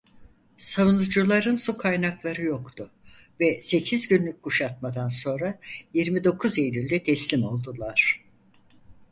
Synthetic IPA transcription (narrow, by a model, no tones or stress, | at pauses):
savunud͡ʒulˠaɾɯnsukʰajnaklˠaɾɯjo̞kt̪ʰʊ | vɛse̞cʰizɟynlʲyc̚ʲɡuʃat̪̚mad̪anso̞nɾajiɾmid̪o̞kʰuze̞jlʲylʲd̪ɛt̪ʰɛslʲimo̞lˠd̪ulˠaɾ̥